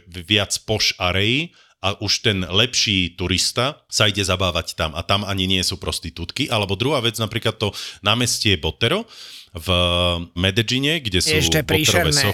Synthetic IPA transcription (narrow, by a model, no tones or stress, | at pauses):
ʋɪat͡spɔʃaɾɛji | ʔaʔuʃt̪ɛnlɛpʃiːt̪uɾist̪asaiɟɛzabaːʋact̪ama̰t̪amaɲiɲɪɛsuːpɾɔst̪it̪uːt̪kiʔalɛbɔd̪ɾuɦaːʋɛd͡znapɾiːklat̪ːɔnaːmɛscɛɛbɔt̪ɛɾɔvmɛd̪ɛd͡ʒiɲɛɡɟɛsuɛːbɔtɛɾɔʋɛɔ